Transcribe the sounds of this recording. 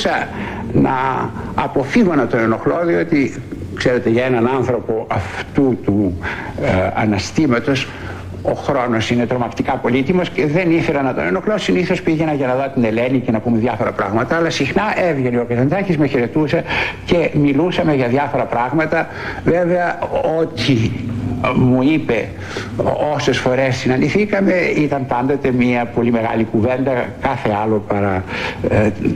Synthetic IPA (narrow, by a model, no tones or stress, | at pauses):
sɐ | nɐ̰ː | po̞fiɣonɐt̪o̞neno̞xloðio̞t̪i | kseɾe̞t̪e̞ʝɐenɐnɐnθɾo̞po̞ʔɐft̪ut̪u | ɐ̰nɐst̪imɐt̪o̞s | o̞̰xɾo̞no̞sine̞t̪ɾo̞mɐkt̪ikɐpo̞lit̪imosceðe̞niθe̞lɐnɐt̪oneno̞xlosiniθo̞spiʝe̞nɐʝɐnɐðot̪ine̞lenice̞nɐpumeðjɐfoɾɐpɾɐɣmɐt̪ɐːlɐsixnɐʔevʝe̞neo̞kɐθend̪ɐcizmeçeɾe̞t̪usɐce̞milusɐme̞ʝɐðjɐfo̞ɾɐpɾɐɣmɐt̪ɐ | veve̞ɐot̪i | muipe̞ | o̞se̞sfo̞ɾe̞ssinɐniθikɐme̞it̪ɐmpɐnd̪o̞t̪e̞miɐpo̞lime̞ɣɐ̰likuvend̪ɐkɐθe̞ɐlo̞pɐɾɐ